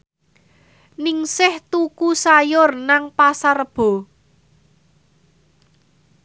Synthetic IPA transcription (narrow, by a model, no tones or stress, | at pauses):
nɪŋsɪht̪ukusajʊrnaŋpasarb̥ɔ̤